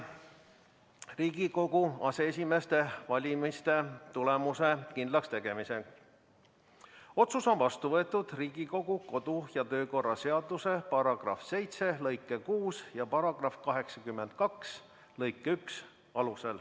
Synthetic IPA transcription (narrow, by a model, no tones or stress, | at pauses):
riːɡ̥iko̞ɡ̥uɑse̞esʲime̞st̪e̞vɑlʲimist̪e̞t̪ulemuse̞kind̪lɑkst̪e̞ɡ̥e̞mise̞ɡ | o̞t̪suso̞nvɑst̪uvɤet̪ːˑud̪̥riːɡ̥iko̞ɡ̥uko̞d̪̥ujɑt̪ø̞ːko̞rːɑse̞ɑd̪use̞pɑɾɑɡ̥rɑ̰fse̞jt̪se̞lɤjkːˑekuːsjɑpɑɾɑɡ̥rɑfkɑɦe̞ksɑkymːe̞nd̪̥̚kɑks | lɤjkːˑeyks | ɑluse̞l